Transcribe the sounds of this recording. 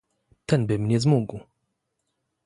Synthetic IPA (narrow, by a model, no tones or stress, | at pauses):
t̪ɛnbɘmɲɛzmuɡw